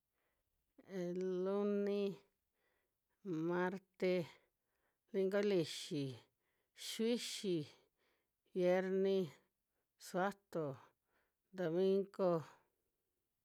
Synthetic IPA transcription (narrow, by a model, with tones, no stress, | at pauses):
e˨lu˦nĩ˦ | mã˧ɾt̪e˧ | li˧ŋɡo˦li˨ʃi˨ | ʃwi˦ʃi˨ | βje˦ɾnĩ˦ | swa˦t̪o˨ | d̪o˨mĩ˦ŋɡo˦